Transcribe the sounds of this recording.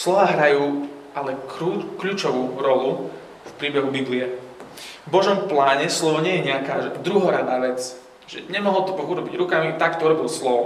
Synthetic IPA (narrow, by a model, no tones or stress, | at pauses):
slɔʋaːɦɾajuː | alɛkukʎuːt͡ʃɔʋuːɾɔlu | fpɾiːbɛɦubibliɛ | vbɔʒɔmplaːɲɛslɔʋɔɲɪɛjɛɲɛakaːʒd̪ɾuɦɔɾad̪aːʋɛt͡s | ʒ̥ɛɲɛmɔɦɔlt̪ɔbɔɣuɾɔbiɟɾukamit̪akt̪ɔuɾɔbilslɔʋɔ